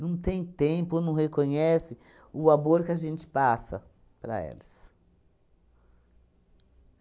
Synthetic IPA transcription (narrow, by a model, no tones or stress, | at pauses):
nɐ̃w̃t̪ẽj̃t̪ẽpʊonɐ̃w̃hekõɲɛsɪ | ʊamoɾkɪaʒẽnt͡ʃɪ̥pasɐ̰ | pɾɐ̰ɛ̰lɐs